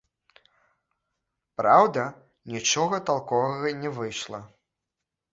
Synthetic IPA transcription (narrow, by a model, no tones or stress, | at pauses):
pɾawd̪ɐ | nʲit͡ʂɔɣɐt̪alˠkɔvɐɣɐnʲɛvɨjʂlˠɐ